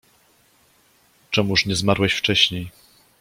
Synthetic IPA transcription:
t͡ʂɛmuʂɲɛzmaɾwɛɕft͡ʂɛɕɲej

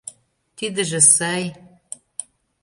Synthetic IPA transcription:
t̪id̪ɘ̆ʒĕsɑj

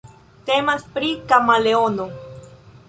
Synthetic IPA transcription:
t̪emaspɾikamaleono

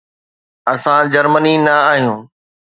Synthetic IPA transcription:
ɐsãd͡ʑɐɾməninɐaːɦijũː

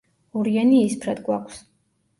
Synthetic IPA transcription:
uɾianispʰɾad̪ɡwakʷʰs

